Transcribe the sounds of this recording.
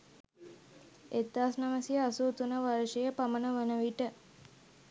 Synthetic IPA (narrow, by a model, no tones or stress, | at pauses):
et̪ːaːsnaməsjəasuːt̪unəʋɐɾʃejəpamənəʋənəʋiʈə